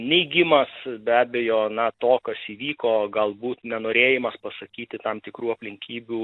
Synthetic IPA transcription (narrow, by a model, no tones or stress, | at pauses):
nʲɛɪɡʲɪmɐsbʲæːbʲejoːnɐt̪oːkɐsiːʋʲiːkoːɡɐlˠbuːt̪nʲɛnoːɾʲeːjɪmɐspɐsɐkʲiːt̪ʲɪt̪ɐmt̪ʲɪkɾuːɐpʲlʲɪŋʲkʲiːbʲuː